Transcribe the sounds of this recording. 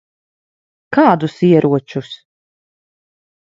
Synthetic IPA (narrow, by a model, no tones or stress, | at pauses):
kaːd̪usiɛɾʔuɔt͡ʃus